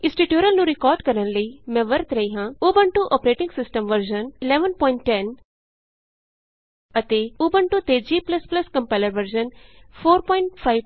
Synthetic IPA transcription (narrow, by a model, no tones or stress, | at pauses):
ɪ̃sʈiʈjoːɾəlnũɾɪkɔːɾɖkɐɾənləimɛ̃ːʋɐɾt̪ɾɐɦiɦãːuːbəɳʈuʔɔːpɾeːʈɪ̃ŋɡsɪsʈəmʋɐɾd͡ʒənɪlɛːʋənpɔːɪ̃ɳʈːɛn | ɐt̪euːbəɳʈut̪eːd͡ʒiːplɐsplɐskɐ̃mpaːləɾʋəɾd͡ʒənfʰoːɾpɔːɪɳʈfʰaiʋ